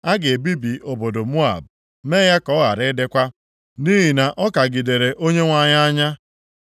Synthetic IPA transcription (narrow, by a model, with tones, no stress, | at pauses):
a˦ɡe˨bi˦bi˨o˨bo˨do˨mu˦a̰˨b̚ | me˦ja˦kɔ˨˦ɣa̰˨ɾɪ˦dɪ˦kʷa˦ | ni˦ɦi˨na˨ʔɔ˦ka˨ɡi˨de˨ɾe˨ʔo˦ɲe˦ŋʷa˦ɲa˦a˦ɲa˦